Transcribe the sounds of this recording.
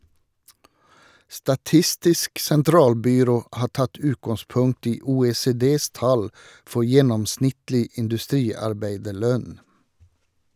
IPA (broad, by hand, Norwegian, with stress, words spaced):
stɑˈtɪstɪsk sɛnˈtɾɑːlbʏˌɾoː ˈhɑː ˈʈɑt ˈʉːtɡɑŋˌspʊŋkt ˈiː uːeːseːˈdeːs ˈtɑl ˈfɔ ˈjɛnɔmˌsnɪtlɪ ɪndʉˈstɾiːɑɾˌbæɪdəˌɭœn